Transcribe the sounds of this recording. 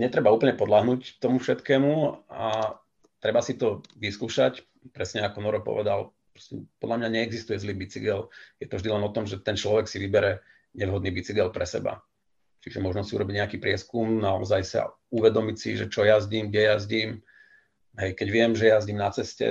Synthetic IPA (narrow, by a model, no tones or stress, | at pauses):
ɲɛt̪ɾɛbauːpl̩ɲɛpɔd̪laɦnuːct̪ɔmufʃɛt̪kɛːmua | t̪ɾɛbasit̪ɔʋiskuːʃac | pɾɛsɲɛakɔnɔɾɔpɔ̰ʋɛd̪al | pɾɔ̥scɛpɔd̪lamɲaɲɛːɡzist̪ujɛzliːbit͡siɡɛljɛt̪ɔvʒd̪ilɛnɔt̪ɔmʒɛt̪ɛnt͡ʃlɔʋɛksiʋibɛɾɛ | ɲɛʋɦɔd̪niːbit͡siɡɛlpɾɛsɛ̰ba̰ | t͡ʃiʒɛmɔʒnɔsiṵɾɔbiɟɲɛakiːpɾɪɛskumnaɔzajsa̰ | uʋɛd̪ɔmicsḭʒɛt͡ʃɔjazɟiːmɡɟɛjazɟiːm | ɦɛjkɛɟʋɪɛmʒɛjazɟiːmnat͡sɛscɛ̰